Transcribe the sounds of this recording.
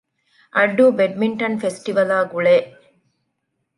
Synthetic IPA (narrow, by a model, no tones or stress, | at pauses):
ʔɐɖːuːbeɖmiɳʈɐnfesʈiʋɐlaːɡuɭeː